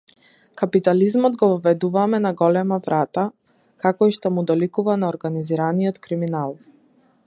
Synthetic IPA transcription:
kapit̪alizmɔd̪ɡɔvɔvɛd̪uvamɛnaɡɔlɛmavɾat̪a | kakɔiʃt̪ɔmud̪ɔlikuvanaɔɾɡaniziɾaniɔt̪kɾiminalˠ

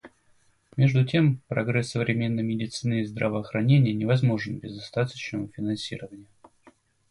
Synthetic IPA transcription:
mʲe̞ʐd̪ʊtʲe̞mpɾɐ̰ɡɾɛsːəvɾʲɪmʲe̞nːəjmʲɪdʲɪt̪sɨnɨːzd̪ɾəvəːxɾɐnʲenʲɪjənʲɪvɐzmo̞ʐɨnbʲɪzɐst̪at̪ət͡ɕnəmfʲɪnɐnsʲḭɾəvənʲɪjə

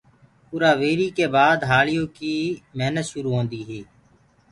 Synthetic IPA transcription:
pʊɾaːʋeːɾiːkeːbaːd̪ɦaːlɪjõːkiːmeːnət̪ʃʊɾuːɦõːnd̪iːɦeː

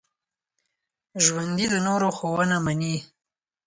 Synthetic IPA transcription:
ʒwand̪id̪ənoɾoxowənamani

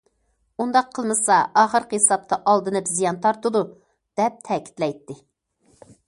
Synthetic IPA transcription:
und̪ɑqʰːəlˠmɨsɑɑːχəɾqesɑp̚t̪ʰɑʔɑlˠd̪ɨnɨpzijɑnt̪ʰɑɾt̪ud̪u | d̪̥ɛp̚t̪ʰɛkʲʰi̥t̪lɛjt̪ːɪ

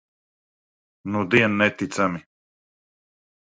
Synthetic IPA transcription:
nud̪iɛnnɛt̪it̪sami

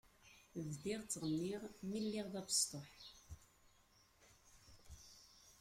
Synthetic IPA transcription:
vd̪iʁt͡sːəʁənːiʁmilːiʁðæpə̥st̪ˤoħ

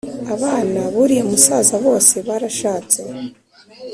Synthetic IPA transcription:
aβaːnaβuɾiumusaːzaβo̞ːse̞βaːɾaʃaːt͡se̞

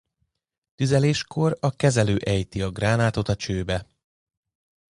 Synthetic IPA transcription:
t̪yzɛleːʃkʰo̞rɒkɛzɛløːʔɛjt̪iɒɡraːnaːt̪o̞t̪ɒt͡ʃøːbɛ

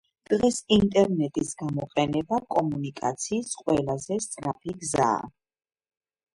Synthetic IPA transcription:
d̪̥ʁɛsint̪ʼɛɾnɛt̪ʼisɡamɔqʼɛnɛbakʼɔmunikʼat̪sʰiːsqʼwɛlˠazɛst̪sʼɾapʰiɡza̰ː

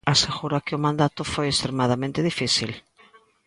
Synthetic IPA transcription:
aseɣuɾakɪʊmãnd̪at̪ʊfojest̪ɾemaðamẽnt̪ɪðifiθil

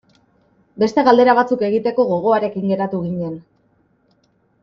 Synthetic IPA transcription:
be̞st̪e̞ɣald̪e̞ɾaβ̞at͡suke̞ɣ̞it̪e̞ko̞ɣo̞ɣ̞o̞aɾe̞kiŋɡe̞ɾat̪uɣ̞iɲe̞n

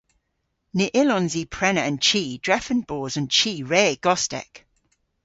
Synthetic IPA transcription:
nɪʔɪlɔ̃nziːpʰɹ̥ɛnəə̃nt͡ʃʰiːd̥ɹɛfə̃nbɔːzə̃nt͡ʃʰiːɹeːɡ̥ɔstɛ̰k

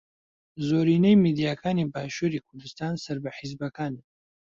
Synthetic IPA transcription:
zoːɾiːnejmid̪ijaːkʰaːniːbaːʃuɾiːkʰʊɾd̪ɨst̪aːnsɐɾbɐħizbɐkaːni

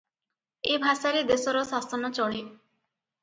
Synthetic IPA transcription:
ebʱasaɾed̪esɔɾɔsasɔnɔt͡ʃɔɽ̃i

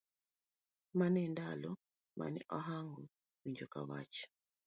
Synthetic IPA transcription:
manɛndalɔ | ma̰nɛ̰ʔaɦaŋɡu | wiɲd͡ʒɔka̰βa̰t͡ʃɔ̥

